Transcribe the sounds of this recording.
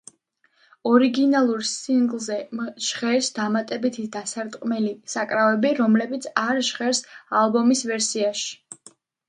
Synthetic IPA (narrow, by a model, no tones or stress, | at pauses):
ɔɾiɡinalˠuɾsiŋɡlˠzɛmʒʁɛɾsd̪amat̪ʼɛbit̪ʰid̪asaɾt̪ʼqʼmɛlisakʼɾavɛbiɾɔmlɛbit̪sʰaɾʒʁɛɾsalˠbɔmisvɛɾsiaʃi̥